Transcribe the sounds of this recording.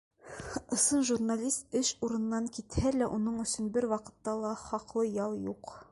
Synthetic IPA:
ɤ̆sɤnʒurnalʲist̪̚ɘʃuɾɤ̆nːɑŋkit̪hælæʔunɤɴɵ̆sɵnbɘɾwɑqɤ̆t̪ːɑlˠɑχɒqlˠɤjɒlˠjuq

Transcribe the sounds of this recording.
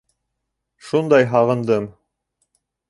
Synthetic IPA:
ʃund̪ɑjɦɑʁɤ̆nd̪ɤm

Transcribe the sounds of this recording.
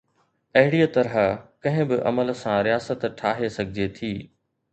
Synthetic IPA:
ɐɦɪɽiːət̪ɐɾɦakɐ̃ɦɪ̃bɪʔɐ̰məlsãɾijaːsət̪ʈʰaːɦesɐɡʱɪd͡ʑet̪ʰiː

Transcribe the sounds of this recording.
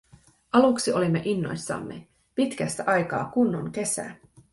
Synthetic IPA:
ʔɑluksio̞limːe̞ʔinːo̞̰jsːɑ̰mːe̞̰ | pit̪kæst̪æʔɑjkɑ̰ːkunːoŋke̞sæ̰ː

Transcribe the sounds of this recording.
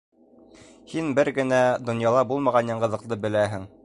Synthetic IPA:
hinbɘɾɡɘ̆næd̪ŏnjɑlˠɑbulˠmɑʁɑnjɑɴɢɤ̆ðɤ̆qlˠɤbɘ̆læɦɘŋ

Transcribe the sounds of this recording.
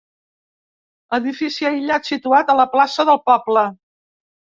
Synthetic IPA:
ləðifisiəjʎat̪sit̪uat̪ələplasəðəlˠpɔblə

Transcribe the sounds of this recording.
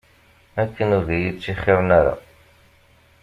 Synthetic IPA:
ækːənʊɾðæjit͡sːiχːɪɾnæɾa̰

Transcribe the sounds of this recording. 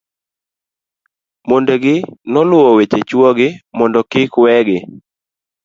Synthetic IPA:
mondeɡɪnɔlʊɔwet͡ʃet͡ʃwɔɡɪmɔndɔkɪkwɛɡɪ

